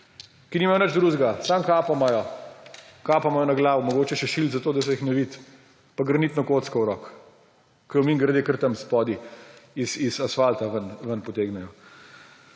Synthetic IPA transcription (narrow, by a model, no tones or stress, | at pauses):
kinimajɔnəd͡ʒd̪ɾuʒɡasamkaːpamɐjɔ | kaːpamɔjɔnaɡlaːʋɔmɔɡoːt͡ʃɛʃɛʃilt̪zat̪oːd̪ɐs̬ɔjixnɔʋit̪ | paɡɾɐnit̪nɔkot̪skɐwɾɔːkː | əjɔmiːŋɡɾd̪eːkəɾt̪əmspɔːd̪iisizasfalt̪aʋənʋənpɔt̪eːɡnɛjɔ